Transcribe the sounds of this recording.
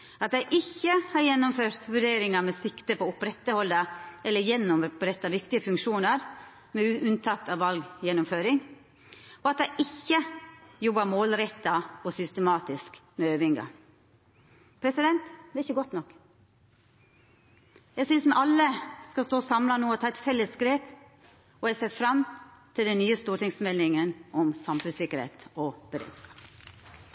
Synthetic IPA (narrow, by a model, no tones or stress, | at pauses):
ɑt̪̚d̪æɪʔɪçːəhɑɾjɛnːʊmføːɾt̪ʋʉɖeːɾɪŋɑmɛsɪkt̪əpʰɔʊpɾɛt̪ːəhɔld̪əʔɛlːəɾjɛnːʊmpɾɛt̪ːɑʋɪkt̪ɪəfʉŋkʂuːnəɾ | mɛʔʉnt̪ʰɑt̪ːɑʋʋɑlɡjɛnːʊmføːɾɪŋ | ɔɑt̪̚d̪æɪʔɪçːəjɔbːɑɾmoːlɾɛt̪ːɑɔsʏst̪əmɑːt̪ɪskmɛøːʋɪŋɡɑ̰ | pʰɾɛsɪd̪ɛnt̪d̪ɛɪçːəɡɔt̪nɔkː | jæɪɡsʏnsmɛʔɑlːəskɑst̪oːsɑmlɑnuːɔt̪ʰɑːɛt̪fɛlːəsɡɾeːp | ɔjɛseːɾfɾɑmt̪ʰɪld̪ɛnnyːəst̪uːʈɪŋsmɛlːɪŋənɔmsɑmfʉsɪkəɾhḛːt̪ɔb̥əɾḛːd̪skɑ̥ːp